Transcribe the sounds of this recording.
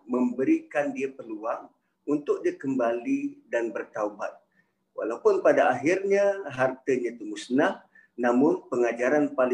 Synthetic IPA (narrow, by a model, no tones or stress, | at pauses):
mə̃mbəɾikandiapəluaŋ | unt̪ʊk̚diakəmbalidanbərt̪aubat̪̚ | wa̰lapʊnpadaaɦɪrɲaɦart̪əɲat̪əmusnah | namʊnpəŋad͡ʒaɾanpalɪ